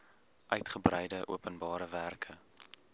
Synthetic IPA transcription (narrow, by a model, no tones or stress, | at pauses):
ʔœɥtχəbrəjdəʔṵəpənbɑːɾəværkʰə